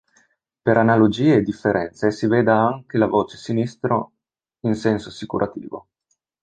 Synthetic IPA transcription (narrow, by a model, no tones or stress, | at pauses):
peɾʔanalod͡ʒiːeːd̪ːifːeɾʔɛnt̪sesiveːd̪aaŋkelavoːt͡ʃe̥sinist̪ɾo | insɛnsoasikuɾʔat̪ḭːvo̰